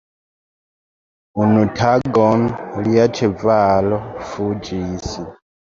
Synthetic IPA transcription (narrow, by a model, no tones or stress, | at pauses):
unutʰaɡɔnliat͡ʃʰɛbvalɔfud͡ʒiːsi